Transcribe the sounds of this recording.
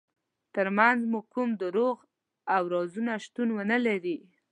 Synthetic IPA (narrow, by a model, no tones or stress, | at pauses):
t̪əɾmanzmukumd̪əɾoɣ | awɾɑzunaʃt̪unwənəlaɾi